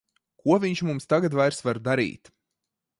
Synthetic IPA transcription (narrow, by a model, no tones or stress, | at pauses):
kuɔvʲiɲt͡ʃmumst̪aɡat̪vajɾsvaɾd̪aɾḭːt̪